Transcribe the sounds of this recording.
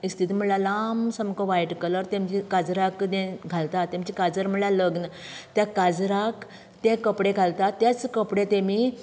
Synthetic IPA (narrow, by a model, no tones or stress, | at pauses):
ist̪ʰit̪im̤əɽɭalamsəmkɔʋajʈkələɾt̪ẽmt͡ɕikad͡zɾakd̪ẽɡʱalt̪at̪ːemt͡ɕikad͡zəɾm̤əɽɭaləɡnət̪jakad͡zɾak | t̪ẽkəpɽeɡʱalt̪at̪jat͡skəpɽẽt̪emi